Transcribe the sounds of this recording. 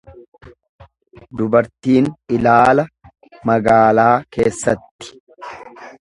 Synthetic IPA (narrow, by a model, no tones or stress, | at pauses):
d̪ʊbɐɾt̪iːnʔɪlaːlɐ | mɐɡaːlaːke̞ːsːɐt̪ːɪ̥